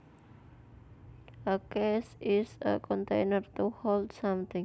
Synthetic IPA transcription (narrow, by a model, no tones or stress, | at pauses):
əkɛsɪsə̰kʰɔ̃nt̪ejnərt̪uholdsʌ̃mt̪ɪ̃ŋ